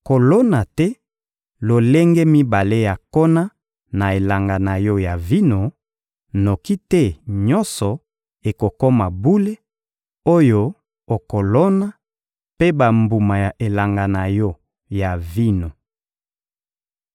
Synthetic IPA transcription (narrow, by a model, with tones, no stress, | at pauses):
ko˨lo˦na˨tɛ˦ | lo˨le˦ŋɡe˦mi˦ba˨le˦ja˨ko˦na˦ | na˨e˨la˨ŋɡa˨na˨jɔ˦ja˨vi˦no˨ | no˨ki˦tɛ˦ɲɔ˦nsɔ˨ | e˨ko˨kɔ˦ma˨bu˦le˦ | o˦jo˦ | o˨ko˨lɔ˦na˦ | pe˦ba˨mbu˨ma˨ja˨ʔe˨la˨ŋɡa˨na˨jɔ˦ | ja˨vi˦no˨